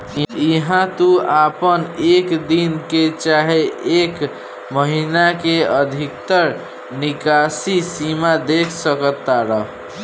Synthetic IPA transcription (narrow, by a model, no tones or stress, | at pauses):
iɦãt̪uapənekd̪inket͡ʃaɦeek | məɦinakeəd̪ʱikt̪əɾ | nikasisimad̪ekʰsəkət̪ːaɾəɦ